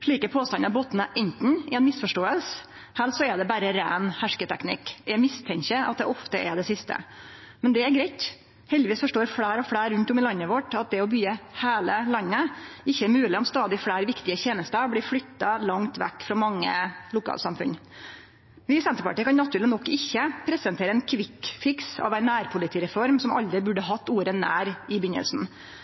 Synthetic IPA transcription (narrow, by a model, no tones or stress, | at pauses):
ʂɭiːkəpʰoːst̪ɑnɑboːt̪ːənəʔɛnt̪n̩ɪɛnmɪsfɔʂʈoːəls | hælsɔɛd̪ɛbæɾəɾæ̰ːnhæʂkət̪ʰɛknɪ̰kːæmɪst̪ʰɛŋkəʔɑ̰t̪̚d̪ɛ̰ʔɔft̪əʔɛɖ̪ɛsɪst̪ə̰ | mɛnd̪ɛæɾɡɾɛɪt̪ | hɛld̪ɪʋiːsfɔʂʈoːɾfɽæːɾɔfɽæːɾʉnt̪ɔmɪlɑnːəʋɔʈɑt̪̚d̪ɛɔbyːəheːləlɑnːəɪçːəɛɾmʉːlɪɔmst̪ɑːd̪ɪfɽæːɾʋɪkt̪ɪəçeːnəst̪əbɽiːfɽʏt̪ːɑlɑŋt̪ʋɛ̰kːfɾɑmɑŋːə̰lʊkʰɑ̰ːlsɑmfʉ̰n | ʋɪsɛnt̪əɾpɑ̰ʈiːkʰɑnnɑt̪ʰʉːɾlɪnɔkːɪçːəpʰɾɛsənt̪ʰeːɾəɛnkʰʋɪkfɪksɑ̰ʋæɪnæːɾpʰʊlɪt̪ʰiːɾɛfɔɾmsɔmʔɑ̰ld̪ɾɪbʉɖəɦɑt̪ːuːɾənæːɾɪbʏɲːə̰lsn̩